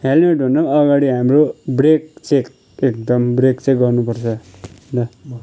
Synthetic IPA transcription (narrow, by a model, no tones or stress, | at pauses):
ɦelneʈbʱʌnːʌʌɡaɽiɦamɾobɾekt͡sek | ek̚d̪ʌmbɾekt͡sekɡʌrnupʌrt͡sʰʌ | d̪ʌ